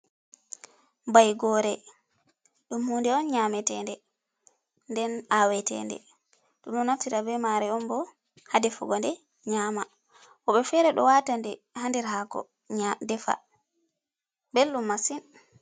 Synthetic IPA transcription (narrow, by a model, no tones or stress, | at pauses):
mbajɡɔɾɛ | ɗumhundɛɔnɲamɛtɛndɛ | ndɛnawɛtɛ̰ndɛ̰ | ɗuɗɔnaftiɾabɛmaɾɛɔnbɔ | hadɛfuɡɔndɛ | ɲaːma | ʔɔɓɛfɛɾɛɗɔ̰watandɛ | handɛɾɦakɔ̰ | dɛfa̰ | belːumːasin